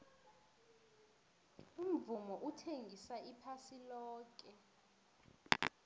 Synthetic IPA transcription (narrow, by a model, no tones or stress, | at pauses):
um̩vumɔʔutʰeŋɡʱisaipʰasilɔːk̬ʼɛ